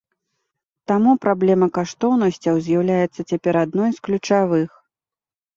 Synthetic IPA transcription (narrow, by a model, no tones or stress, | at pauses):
t̪amupɾablʲɛmɐkaʂt̪ɔwnɐsʲt͡sʲɐwzʲjawlʲajɛt̪sːɐt͡sʲapʲɛɾad̪̚nɔjsklʲut͡ʂavɨx